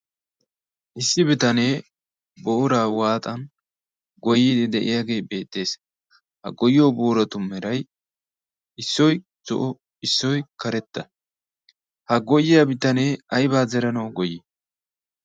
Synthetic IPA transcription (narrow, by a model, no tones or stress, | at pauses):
ʔɪsːɪbɪt̪ɐne̞ː | boːɾaːwaːt̪ʼɐn | ɡɔjid̪ɪd̪ɛʔɪjaɡe̞ːbe̞ːt̪ːe̞ːs | hɐ̰ɡɔjɪjoːboːɾɐt̪ʊmːɛɾɐj | ɪsːɔj | z̥ɔ̰ʔɔ | ɪsːɔjkɐɾɛt̪ːɐ | hɐɡɔjɪjabɪt̪ɐne̞ːɐjbaːzɛɾɐnɐwɡɔjɪ